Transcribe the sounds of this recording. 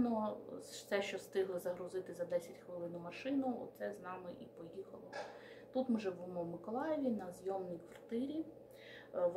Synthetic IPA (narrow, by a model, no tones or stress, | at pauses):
nɔsɛʃt͡ʃɔst̪ɪɦlˠɪzɐɦɾʊzɪt̪ɪzɐd̪ɛsʲɐtʲxʋɪlˠɪnʊmɐʃɪnʊɔ̰t̪sɛznɑmɪʔipɔjixɐ̰lˠɔ | t̪ut̪mɪʒɛbumɔwmɪkɔlˠɑjeʋʲinɐzjɔmnʲijkʋɐrt̪ɪɾʲi | ʋ